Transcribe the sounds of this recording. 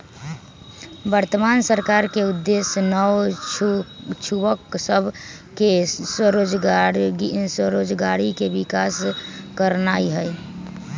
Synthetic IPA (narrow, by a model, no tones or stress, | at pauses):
bəɾt̪əmansəɾkaɾkeud̪ːesnəʋ | t͡ʃʰubəksəbʱ | kesɾod͡ʒ | səɾod͡ʒɡaɽikebikaskəɾnaiɦəj